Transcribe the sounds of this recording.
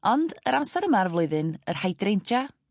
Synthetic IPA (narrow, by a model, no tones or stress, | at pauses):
ɔndəɾamsɛɾəmarvlˠʊɨðɨnər̥hajdrejnt͡ʃa